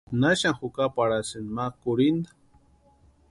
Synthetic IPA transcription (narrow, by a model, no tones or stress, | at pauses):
naʃaŋxukapaɾasinmakʊɾind̪ḁ